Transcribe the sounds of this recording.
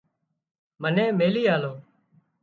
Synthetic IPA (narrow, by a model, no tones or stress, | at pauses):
mənẽːmeːliːaːloː